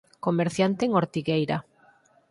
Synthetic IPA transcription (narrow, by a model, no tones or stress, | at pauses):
komeɾθjant̪eːŋoɾt̪iɣejɾa